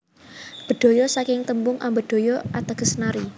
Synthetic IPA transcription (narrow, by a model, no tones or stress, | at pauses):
b̥ə̤ɖ̪̥o̤jɔsakɪŋt̪əmbʊŋʔambəd̪̥o̤jɔat̪aɡ̥ə̤snaɾi